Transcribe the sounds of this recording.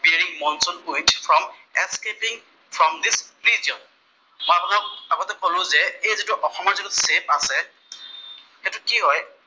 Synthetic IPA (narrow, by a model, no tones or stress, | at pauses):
beɹiŋmɔnsɔnkotfʰɹɔm | eskepĩŋ | fʰɹɔmd̪isɹiziɔn | mɔ̃abɔtakaɡɔtɛkɔlʊ̃zɛejzitʊʔɔxɔmɔɹzitusep̚asɛ | xɛtʊkiɦɔj